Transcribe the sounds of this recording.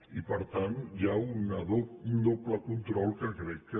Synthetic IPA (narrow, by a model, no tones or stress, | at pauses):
ipəɾt̪anʒaunəðound̪opləkunt̪ɾɔlˠkəkɾɛkːə